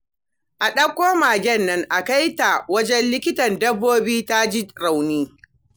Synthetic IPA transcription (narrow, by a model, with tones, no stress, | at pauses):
ʔa˨ɗɐ˦kʷːoː˦maː˨ɡʲɛ˦nːɐ˦ŋʔa˨ka˦jta˨wɐ˦d͡ʒɛ˦nlɪ˦kʲɪ˦tɐ˨ndɐ˦bːoː˦biː˦ta˦d͡ʒi˦ɾa˨wniː˦